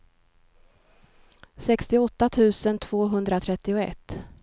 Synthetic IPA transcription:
sɛkst̪ɪɔt̪ːat̪ʰʉ̟ːsənt̪ʰv̥oːɦɵnd̪ɾat̪ʰɾɛt̪ːɪʊɛ̰t̪ː

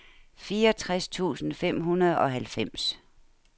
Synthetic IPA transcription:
fiːɒt͡sʰʁast͡sʰṵːsn̩fem̰ɦunɐð̞̩ˠɒ̽ɦælfem̰s

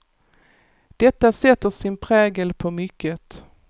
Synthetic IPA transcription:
d̪̥ɛt̪ːasɛt̪ːəʂɪnpʰɾɛːɡəlpʰɔmʏkːət̪

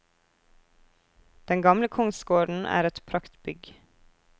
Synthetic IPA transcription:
d̪̥ɛŋɡɑmləkʰʊŋsɡoːɖn̩ʔæ̰ːɾɛt̪pʰɾɑkt̪bʏɡ

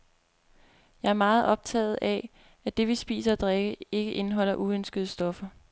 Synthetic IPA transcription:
jɑ̈ɪæɐmɑ̈ːð̞̩ˠɒ̽b̥̚t͡sʰɛ̰ːð̩ˠæ | æd̥e̝ʋisb̥ḭːsɐɒd̥ʁeɡ̥əe̝ɡ̥əʔe̝nəɦɒ̽l̰ɐʔuønsɡ̥əð̞ˠəsd̥ɒ̽fɐ

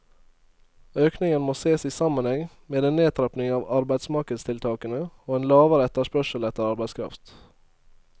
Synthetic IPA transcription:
øːknɪŋənmoːseːsiːsɑmənhɛŋ | meːd̪eːneːt̪ʰɾɛpnɪŋɑːʋɑɾbæɪd̪smɑkəst̪ʰɪlt̪ʰɑːkənəoːeːnlɑːʋəɾəɛt̪əʂpœʃəlɛt̪əɾɑɾbæɪskʰɾɑ̰ft̪

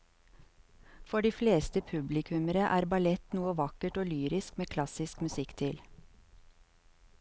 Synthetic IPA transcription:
fɔɖiːfleːst̪əpʰʉblɪkʰʉməɾəʔæːɾbɑlɛt̪nuːəʋɑkəʈoːlyːɾɪskmeːkʰlɑsɪskmʉsɪkt̪ʰɪl

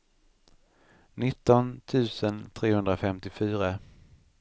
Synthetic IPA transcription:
nɪt̪ːɔnt̪ʰʉ̟ːsənt̪ʰɾeːhɵnd̪ɾafɛmt̪ɪfyːɾa

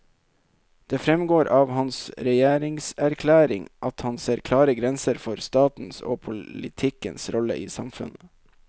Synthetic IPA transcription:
d̪̥eːfɾɛmɡoːɾʔɑːʋhɑnsɾɛjeːɾɪŋsæɾkʰlæːɾɪ̰ŋʔɑt̪hɑnseːɾkʰlɑːɾəɡɾɛnsəɾfɔɾst̪ɑːt̪n̩so̰ːpʰʊlɪ̰t̪ʰɪkənsɾɔlə̰ʔiːsɑmfʉ̰nə

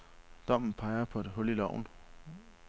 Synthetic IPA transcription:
d̥ɒ̽m̰n̩pʰɑ̈ɪɐpʰɒ̽e̝d̥ɦɔ̽lilɒʊ̰n̩

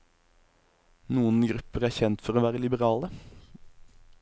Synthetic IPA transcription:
nuːənɡʁʉpəʁæːçɛnt̪fɔʁoːʋæːʁəlɪbəʁɑːlə

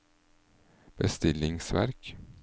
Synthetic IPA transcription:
b̥əst̪ɪlɪŋsʋæ̰ɾk

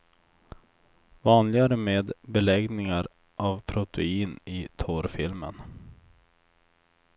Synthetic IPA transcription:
vɑːnlɪɡaɾəmeːd̪bɛlɛɡnɪŋaɾ | ʔavpʰɾʊt̪ʰɛiːnɪt̪ʰɔːɾfɪlmə̰n

